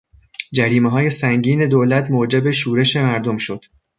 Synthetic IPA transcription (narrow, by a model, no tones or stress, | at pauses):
d͡ʒæɾiːmeɦɒːje̞sæŋɟiːne̞d̪oːlæt̪ʰmoːd͡ʒe̞be̞ʃuːɾe̞ʃe̞mæɾd̪o̞mʃo̞d̪̥